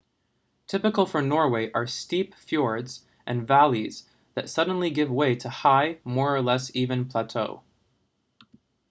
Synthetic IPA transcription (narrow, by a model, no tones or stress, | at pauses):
tʰɪpɨkl̩ˠfə˞nɔɹweɪʔə˞stipfjɔɹdz̥ | ʔɨ̃nvælˠiz̥ | ðɨtsʌd̃ⁿn̩liɡɪvweɪɾəhaɪmɔɹə˞lɛsivɨ̃npʰl̥ætʰoʊ